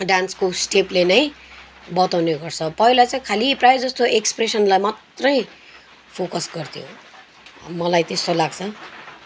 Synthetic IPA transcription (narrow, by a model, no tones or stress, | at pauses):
ɖanskosʈeplenʌj | bʌt̪awneɡʌrt͡sʰʌpʌɦilat͡saĩkʰaliprajod͡zʌst̪oʔekspresʌnlajmat̪rʌj | pʰokʌsɡʌrt̪ʰijõ̰ | mʌlajt̪est̪olaɡt͡sʰʌ